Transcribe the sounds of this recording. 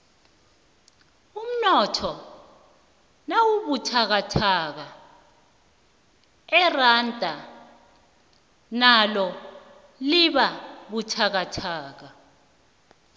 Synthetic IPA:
um̩nɔtʰɔ | nawuɓutʰak̬atʰaːk̬a | ɛrantʼa | nalɔ | liɓaɓutʰak̬atʰaːk̬a

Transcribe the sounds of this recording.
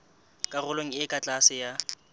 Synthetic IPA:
kʼarʊloŋ̩ɪkʼat͡ɬʼasɪja

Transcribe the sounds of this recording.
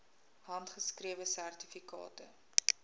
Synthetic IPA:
ɦɐntχəskriəvəsærtifikɑ̰ːtə

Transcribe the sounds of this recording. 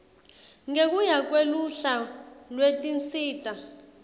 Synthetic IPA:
ŋek̬ujak̬weluɬalwetʼint͡siːtʼa

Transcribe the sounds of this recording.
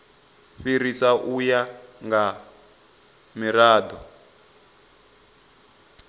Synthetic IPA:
ɸiɾisaʔujaŋɡa | miraːdɔ

